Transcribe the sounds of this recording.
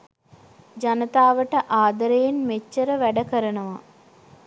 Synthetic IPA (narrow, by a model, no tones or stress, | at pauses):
d͡ʒanət̪aːʋəʈəʔaːd̪əɾejenmet͡ʃːəɾəʋæɖəkəɾənəʋa̰